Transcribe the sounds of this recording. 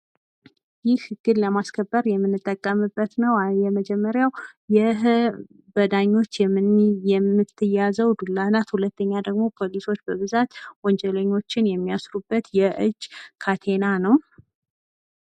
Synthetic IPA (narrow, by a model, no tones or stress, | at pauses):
jɪhɡ̥ɨd̪ləmaskʰəbːəɾjɛmːɨnːɨt̪ʼːəkʼːəmɨbːət̪nəwjɛməd͡ʒɛmːəɾjawjɪɦ | bəd̪aɲːo̞t͡ʃːjɛmːɨnjɛmːɨt̪ʰːɨjazəwd̪ulːanat̪hulət̪ːəɲːad̪əɡmo̞pʰo̞liso̞t͡ʃːbəβɨzat̪wɔnd͡ʒɛləɲːo̞t͡ʃːɪnjɛmːijasɾubːət̪jɛʔɨd͡ʒːkʰat̪ʰe̞nanəw